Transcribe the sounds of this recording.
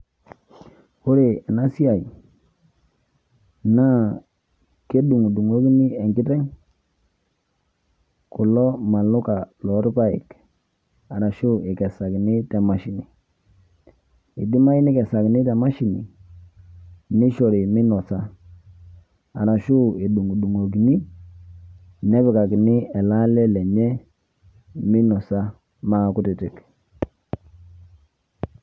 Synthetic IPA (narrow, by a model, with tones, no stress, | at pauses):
u˦ɾe˨e˨na˦si˦a˨i˨ | na˦ | ke˦du˨ŋ˨du˨ŋo˦kni˦e˨ŋki˦tɛ˦ŋ | ku˨lɔ˦ma˨lu˦ka˨lɔ˨˦ɾpa˦ḭ˨k | a˨ɾa˨ʃu˦e˨ke˨sa˨kni˦te˨ma˨ʃi˨˦ni˨ | i˨di˦ma˦i˦ni˦kɛ˨sa˨knɪ˦ta˨ma˦ʃi˨nḭ˨ | ni˦ʃɔ˨ɾi˨mɪ˦nɔ˨sa˦ | a˨na˨ʃu˦e˨ɗu˨ŋ˨ɗu˨ŋo˨k̬i˨ni˦ | nɛ˦bɪ˨ka˨knɪ˦ɛ˨la˦lɛ˦lɛ˨ɲɛ˦ | mɪ˦nɔ˨sa˦ | ma˦kʊ˦tɪ˨tɪ˨k